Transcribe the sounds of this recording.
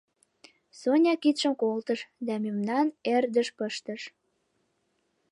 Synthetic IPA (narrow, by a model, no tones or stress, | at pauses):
sonʲɑkit̪ʃəmkolt̪əʃd̪ɑmemnɑnerd̪əʃpəʃt̪əʃ